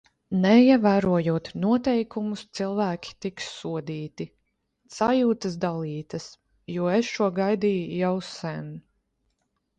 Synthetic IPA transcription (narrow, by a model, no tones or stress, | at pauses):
nɛiɛvæːɾuɔjuɔt̪nuɔt̪ɛjkumust̪silˠvæːkʲʰi̥t̪iksːuɔd̪iːt̪i | sajuːt̪ɐs̬d̪alˠiːt̪ɐs | juɔesʃuɔɡajd̪iːjjawsɛn